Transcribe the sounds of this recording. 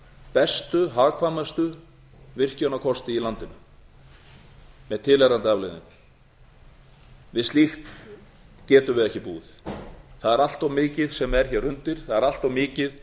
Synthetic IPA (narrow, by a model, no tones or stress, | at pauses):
pɛst̪ʏɦaːkʰvaːmast̪ʏ | vɪr̥cœnakʰɔst̪ɪilant̪ɪnʏ | mɛðt̪ʰɪlɛɾant̪ɪavlɛðnʏ̰m | vɪðst̪lixt̪ | cɛːt̪ʏmvɪðɛhcɪpuːðθaðɛɾal̥t̪awmɪːcɪðsɛmɛɾ̥çɛrʏnt̪ɪɾ̥θaðɛɾal̥t̪awmɪːcɪð